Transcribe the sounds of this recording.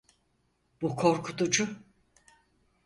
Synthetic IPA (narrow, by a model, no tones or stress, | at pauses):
b̥ukʰo̞ɾkʰut̪ʰud͡ʒʊ